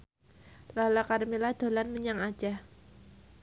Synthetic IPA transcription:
lalakaɾəmilad̪̥o̤lanməɲaŋḁd͡ʒa

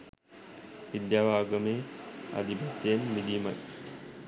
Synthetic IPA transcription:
ʋid̪jaːʋaːɡəmea̰d̪ipat̪ːejenmid̪ima̰j

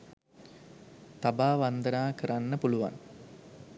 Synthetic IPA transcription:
t̪abaːʋɐnd̪ənaːkəɾanːəpuluʋa̰n

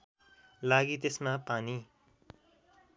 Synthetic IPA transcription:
laɡit̪esmapani

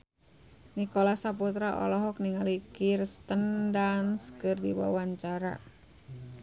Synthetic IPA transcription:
nikɔlasaput̪ɾaʔɔ̰lɔɦɔk̚niŋalikirst̪əndanskɨrdiwa̰waɲt͡ʃaɾa̰

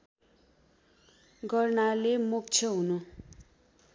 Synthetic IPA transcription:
ɡʌrnalemuk̚t͡sʰjʌɦunu

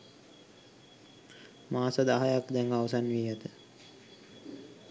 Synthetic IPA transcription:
maːsad̪aɦajakd̪ɛŋɡaʋəsanʋiːjət̪ə

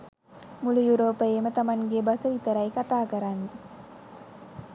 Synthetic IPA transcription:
mulujuɾoːpəjemət̪amaŋɡebasəʋit̪əɾajkat̪aːkəɾanːe

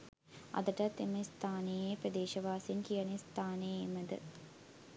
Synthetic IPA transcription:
ɐ̰d̪əʈɐt̪ːeməst̪ʰaːnejepɾɐd̪eːʃɐʋaːsiŋkijɐnest̪ʰaːnejːməd̪ə̰

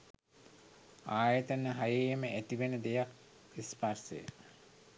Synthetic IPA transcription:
aːjət̪ənːəɦajeːməʔæt̪iʋenəd̪ejak̚ | isparsḛjə̰

